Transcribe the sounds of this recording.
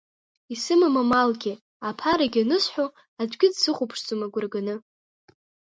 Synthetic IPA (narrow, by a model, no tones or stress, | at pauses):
isɨmamamalɡʲɪ | apʰaɾaɡʲɪanɨsħʷᶣo | ad͡ʒʷɡʲɪdsɨχʷʊpʰʂt͡sʼomaɡʷʊrɡanɨ